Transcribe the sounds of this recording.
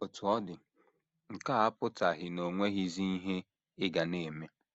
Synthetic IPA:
o˨tu˨ɔ˦dɪ˨ | ŋ̩˨ka˦a˦pʊ˦ta˨ɦɪ˨no˨ŋʷe˦ɣi˦zi˦i˦ɦe˦ | ɪ˦ɡa˨ne˨me˦

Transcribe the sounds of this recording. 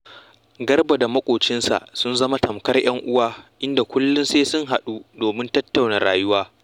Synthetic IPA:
ɡɐ˦rba˨da˨mɐ˦kʷʼoː˨t͡ʃɪ˦nsa̰˨ʔsʊ˦nzɐ˦ma˦tɐ˨mkɐ˦rj̰ɐ˦ŋʔʊ˦waː˦ʔɪ˦nda˨kʷʊ˦lːʊ˦nseː˦sʊ˦ŋɦa˨ɗu˦doː˨mɪ˦ntɐ˦tːa˨wna˨ɾaː˨jʊ˦waː˦

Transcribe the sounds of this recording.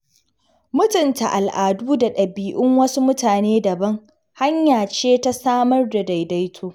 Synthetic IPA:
mʊ˦tʊ˨nta˨ʔa˨lʔaː˨duː˦da˨ɗɐ˨biː˨ʔɪ˦ŋwɐ˦su˦mʊ˦taː˨neː˦dɐ˨bɐ˦ŋ | ha˦ɲjaː˨t͡ʃeː˦ta˦saː˦mɐ˦rda˨da˨jda˦jtʰoː˦

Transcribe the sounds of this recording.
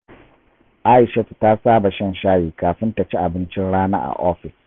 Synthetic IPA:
ʔa˦ʔɪ˨ʃɐ˦tta˦saː˦ba˨ʃɐ˦˨nʃaː˦jiː˨kaː˨ɸɪ˦nta˨t͡ʃi˦ʔa˨bɪ˦nt͡ʃɪ˦nɽaː˦na̰ː˦ʔa̰˨ʔɔ˦ɸɪ˨s

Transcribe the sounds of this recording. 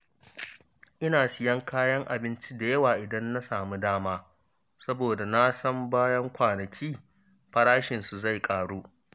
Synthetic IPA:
ʔɪ˦naː˨sɪ˦jɐ˦ŋkʰaː˦jɐ˦ŋʔa˨bɪ˦nt͡ʃi˦da˨jɐ˦waː˨ʔɪ˨dɐ˦nːa˦saː˨mu˦daː˦maː˦ | sɐ˦boː˨da˨na˦sɐ˦mbaː˦jɐ˦ŋkʷaː˨nɐ˨kʲʰiː˦ | ɸɐ˦ɽaː˦ʃɪ˨nsu˨za˦˨jkʼaː˨ɽuː˦

